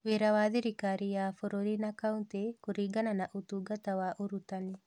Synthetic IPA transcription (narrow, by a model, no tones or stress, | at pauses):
ʋeɾawad̪iɾikaɾijafoɾoɾinakaunt̪ekuɾiɡananaʔut̪uɡat̪awaʔuɾut̪ani